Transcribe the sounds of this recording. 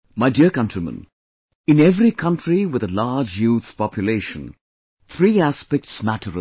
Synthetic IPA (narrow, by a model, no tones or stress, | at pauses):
maɪdiəkʌ̃ntɹimə̰̃n | ɪ̃nɛvɾikʰʌ̃ntʰɹiwɪðəlaːd͡ʒjuːt̪pɑpʰjʊleɪʃə̃n | t̪ʰɾiːæspɛk̚ʈsmæʈʰəɾ